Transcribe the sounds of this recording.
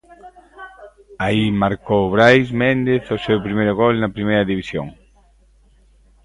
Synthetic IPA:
aimaɾkowβɾajsmẽnd̪eθosewpɾimejɾoɣolnɐpɾimejɾɐðiβisjo̰ŋ

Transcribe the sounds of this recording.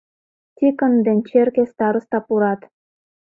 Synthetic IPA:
tʲikə̆nd̪enʲt͡ɕerkest̪ɑɾə̆st̪ɑpuɾɑt̪

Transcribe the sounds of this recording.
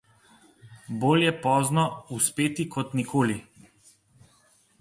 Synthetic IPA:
boːljɛpɔːznɔuspeːt̪ikʰɔt̪nikʰoːli

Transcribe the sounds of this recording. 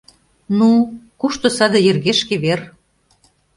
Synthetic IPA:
nukuʃt̪osɑd̪ɤ̆jerɣeʃkeβer

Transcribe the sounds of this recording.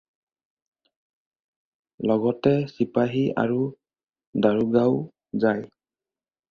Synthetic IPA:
lɔɡɔtɛsipaɦia̰ɹu | daɹuɡaʊ | zaj

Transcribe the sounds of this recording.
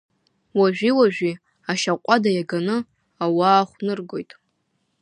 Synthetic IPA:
waʒʷᶣiwaʒᶣi | aʃaqʷʼadajaɡanɨ | awaːχʷnɨrɡo̞jtʼ

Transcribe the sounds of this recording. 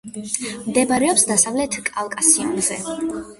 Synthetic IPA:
md̪ɛbaɾɛɔpsd̪asavlɛt̪ʰkʼalˠkʼasiumzɛ

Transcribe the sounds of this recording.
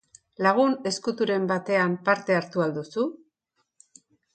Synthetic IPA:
laɣ̞une̞skut̪uɾe̞mbat̪e̞ampaɾt̪e̞aɾt̪uald̪usu

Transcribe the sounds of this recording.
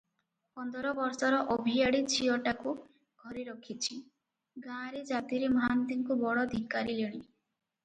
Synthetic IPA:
pɔnd̪ɔɾɔbɔɾsɔɾɔʔobʱijaɽit͡ʃʰiɔʈaku | ɡ̥ʱɔɾiɾɔkʰit͡ʃʰi | ɡãɾed͡ʒat̪iɾemant̪iŋkubɔɽɔd̪ʱikːaɾileɽ̃i

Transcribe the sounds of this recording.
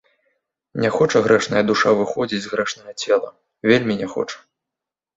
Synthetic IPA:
nʲɛxɔt͡ʂɐɣɾɛʂnɐjɐd̪uʂavɨxɔd͡zʲid͡zʲzɣɾɛʂnɐɣɐt͡sʲɛlˠɐ̰ | vʲelʲmʲinʲɛxɔ̰t͡ʂɐ̥

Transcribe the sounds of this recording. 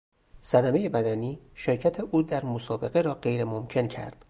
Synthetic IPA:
sæd̪æme̞je̞bæd̪æniːʃeɾcʰæt̪ʰeʔuːd̪æɾmosɒːbe̞ɣe̞ɾɒːɢe̞jɾemomcʰe̞ncʰæ̰ɾd̪̥

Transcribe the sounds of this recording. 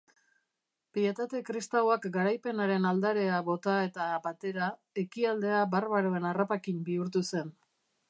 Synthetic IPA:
pie̞t̪at̪e̞kɾist̪aoakɡaɾajpe̞naɾe̞nald̪aɾe̞aβo̞t̪ae̞t̪abat̪e̞ɾa | e̞kiald̪e̞abarβaɾoe̞narapakimbiuɾt̪use̞n

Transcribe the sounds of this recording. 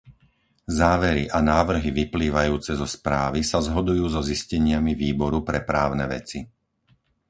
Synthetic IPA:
zaːʋɛɾiʔanaːʋr̩ɦiʋipliːʋajuːt͡sɛzɔspɾaːʋisazɦɔd̪ujuːzɔziscɛɲɪamiʋiːbɔɾupɾɛpɾaːʊnɛʋɛ̰t͡si

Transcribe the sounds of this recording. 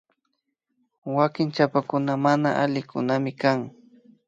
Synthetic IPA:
wakɪŋt͡ʃapakʊnamana̰ʔalɪkʊnamɪkaŋ

